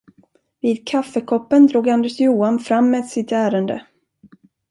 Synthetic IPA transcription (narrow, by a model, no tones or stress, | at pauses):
viːd̪̚kʰafːəkʰɔpːənd̪ɾuːɡand̪ɛʂjuːanfɾamːɛːsɪt̪æːɾənd̪ə̰